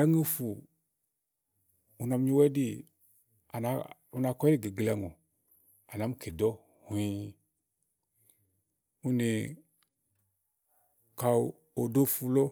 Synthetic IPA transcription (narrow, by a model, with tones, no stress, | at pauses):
a˦ŋe˦fu˨ | u˨na˨m˦ɲi˦wɛ˦di˦ | a˨na˨˦u˦na˨kɔ˦i˦˨ɡe˨ɡla˨ŋo˨ | a˨na˨˦m˦kʰe˨dɔ˦ | hu˨i˦ | u˦ne˨ | ka˨ | o˨do˦fu˦lo˦